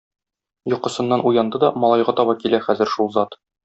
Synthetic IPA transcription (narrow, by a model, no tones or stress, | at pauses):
jŏqɤ̆sɤ̆nːɑnujɑnd̪ɤd̪ɒmɒlˠɑjʁɑt̪ɒbɑkilæχæzɘ̆ɾʃulˠzɑt̪